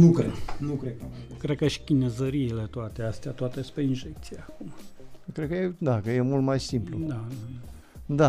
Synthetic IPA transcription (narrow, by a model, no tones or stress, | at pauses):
nukɾenukɾed̪akɾed̪̚kəʃi̥kʲinezəɾiːle̞t̪oat̪east̪eat̪oat̪espɾeinʒek̚t̪siaaːkumakɾed̪kəjed̪akəje̞mult̪majsimplud̪aad̪a | d̪a